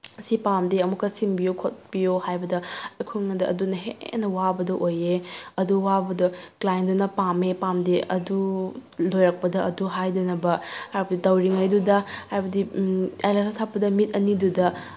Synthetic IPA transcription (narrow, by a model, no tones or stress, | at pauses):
sipamdeɐmukːɐsimbijokʰot̚b̥ijohajbɐdɐɐkʰuŋnɐdɐɐdunɐɦenɐwabɐdɐʔojeɐduwabɐdɐklajndunɐpamepamdeʔɐdulojɾɐk̚pɐdɐɐduɦajdɐnɐbɐhajbɐditɐwɾiŋajdudɐhajbɐdiajlasʰasʰapːɐdɐmit̚ɐnidudɐ